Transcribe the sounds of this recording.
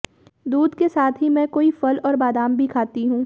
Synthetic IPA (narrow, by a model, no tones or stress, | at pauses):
d̪uːd̪kesaːt̪ʰɦimɛ̃ːkoːifɐlɔːɾbaːd̪aːmbʱikʰaːt̪iɦũː